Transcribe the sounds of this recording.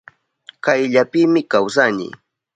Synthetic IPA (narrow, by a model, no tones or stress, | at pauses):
kajʎapɪmɪkawsanɪ̰